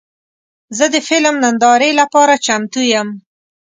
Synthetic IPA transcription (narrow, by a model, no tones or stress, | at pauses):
zəd̪əfɪlmnand̪ɑɾelapɑɾat͡ʃamt̪ujam